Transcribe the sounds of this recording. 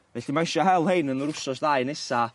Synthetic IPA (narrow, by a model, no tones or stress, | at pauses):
vɛɬimajʃaɦɛlˠhejnənɾʊsɔsðaɨnɛsa